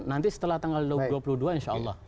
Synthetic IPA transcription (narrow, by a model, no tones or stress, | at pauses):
nant̪isə̥t̪əlaht̪aŋɡalduduapuluduainʃaɑlːɑh